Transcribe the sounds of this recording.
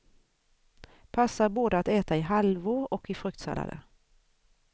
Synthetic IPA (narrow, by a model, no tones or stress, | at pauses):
pʰɑsəboːd̪əat̪eːt̪ɑiːhɑlʋʊːɔkʰiːfʁʉkt̪sɛ̰lɑ̰d̪ə̰